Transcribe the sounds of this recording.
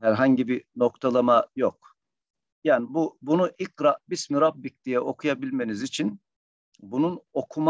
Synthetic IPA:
hæɾɦaɲɟibino̞kt̪ʰalˠamajok̚ | jaːnibubunuʔicɾabismiɾabːic̚d̪̥ijɛʔo̞kʰujabilʲme̞nizit͡ʃʰin | bununo̞kʰum

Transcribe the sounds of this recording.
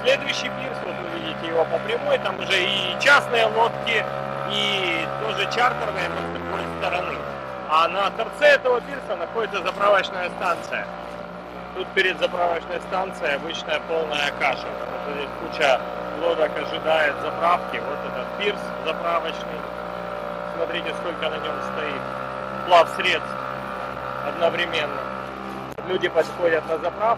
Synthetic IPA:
sʲlʲe̞d̪ʊjʉɕːijpʲirsvo̞t̪vɨvʲidʲɪtʲɪjɪvo̞pəpɾʲɪmojt̪amʊʐɛit͡ɕasnɨjəlˠo̞t̪kʲɪ | it̪oʐɨt͡ɕart̪ərnɨjəməzd̪ɾʊɡo̞jst̪əɾɐnɨ | anɐt̪ɐrt̪sɛɛt̪əvəpʲirsənɐxo̞dʲɪt̪səzɐpɾavət͡ɕnəjəst̪ant̪sɨjə | t̪ut̪̚pʲɪɾʲɪd̪zɐpɾavət͡ɕnəjst̪ant̪sɨjəjɐbɨt͡ɕnəjəpo̞lˠnəjəkaʂɨkɐvɐtodʲɪt̪kut͡ɕalˠoɾəkɐʐɨd̪ajɪt̪zɐpɾafkʲɪvo̞t̪ɛt̪ət̪̚pʲirszɐpɾavət͡ɕnɨj | smɐt̪ɾʲitʲɪsko̞lʲkənɐnʲo̞mst̪ɐit̪̚ | plˠafsɾʲe̞t̪st̪ | ɐd̪nəvɾʲɪmʲe̞nːə | lʲudʲɪpɐt̪xo̞dʲət̪nɐzɐpɾaf

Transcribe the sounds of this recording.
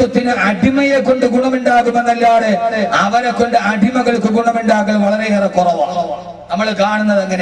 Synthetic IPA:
ɐt̪ːinɨɐɖʱimɐjekːo̞ɳɖɨɡuɳɐmuɳɖaːɣumenːɐlːaːɽeɐʋɐɾekːo̞ɳɖɨɐɖʱimɐɣɐɭkːɨɡuɳɐmuɳɖaːɣɐʋɐɭɐɾeɐrɐkurɐʋaː | nɐmːɐɭkaːɳunːɐðeŋːɐne

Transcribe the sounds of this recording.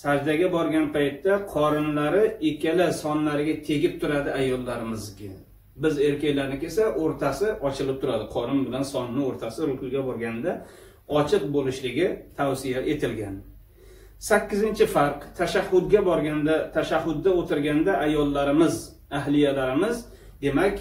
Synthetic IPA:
sad͡ʒd̪aɡʲabɒɾɡʲanpʰajt̪ːaqʰɒɾɪnlaɾɪekʲalɪsɒnlaɾɪɡʲat̪ʰe̞ɡʲɪp̚t̪ʰʊɾad̪ɪajɒlˠːaɾɪmɪzɡʲa | bɪze̞ɾkʲakʲlaɾnɪkʲesaʔoɾt̪ʰasɪʔɒt͡ʃʰɪlˠɪp̚t̪ʰʊɾad̪ɪqʰɒnʊnbɪlansɒnnːɪoɾt̪ʰasɪɾʊkʊlɡʲabɒɾɡʲanɪd̪a | ɒt͡ʃʰɨq̚bolɪʃlɪɡʲɪt̪ʰawsɪjaʔe̞t̪ʰɪlɡʲan | sakʲːɪzɪnt͡ʃʰɪfaɾqt̪ʰaʃahːʊd̪ɡʲabɒɾɡʲand̪at̪ʰaʃahːʊd̪ːaot̪ʰɪɾɡʲand̪aʔajɒlˠːaɾɪmɪz | aɦlɪjalaɾɪmɪz | d̪e̞makʲ

